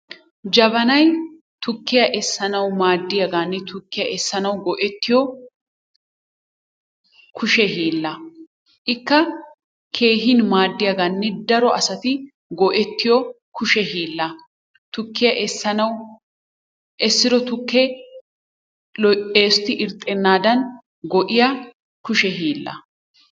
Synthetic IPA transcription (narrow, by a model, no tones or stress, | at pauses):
d͡ʒɐbɐnɐj | t̪ʊkːɪjɐʔɛsːɐnɐwmaːd̪ːɪjɐɡaːnːɛt̪ʊkːɪjɐʔɛsːɐnɐwɡɔʔɛt̪ːɪjɔ | kʰʊʃɛɦiːlːɐ | ʔɪkːɐ | kʰe̞ːɦɪnmaːd̪ːɪjaɡanːɛd̪ɐɾɔʔɐsɐt̪ɪ | ɡɔʔɛt̪ːɪjɔ | kʊʃɛɦiːlːɐ | t̪ʊkːɪjɐʔɛsːɐnɐw | ʔɛsːɪɾɔt̪ʊkːɛ | eːst̪ɪʔɪɾt̪ʼːɛnːaːd̪ɐn | ɡɔʔɪja | kʊʃɛɦiːlːɐ̰